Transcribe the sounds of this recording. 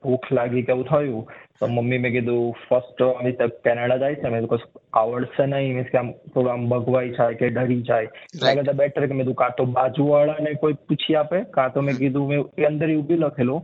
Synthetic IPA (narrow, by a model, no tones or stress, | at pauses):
bʱuːkʰlaɡikeut̪ʰɔjut̪omɐmːimẽɡid̪upʰəsʈːdit̪kɛːneɽad͡ʒaːisemed̪ukosaʋəɽsenəɦĩmẽskeaːmpɾoɡɾaːmbəɡʋaːid͡ʒaekeɖəɾid͡ʒaːeɐɡəɾt̪abɛːʈʰəɾɛkemed̪ukãːt̪obaːd͡ʒuʋaɭanəĩkoiput͡ʃʰiaːpekãt̪omẽɡid̪umeueə̃nd̪əɾiubʱilɐkʰelo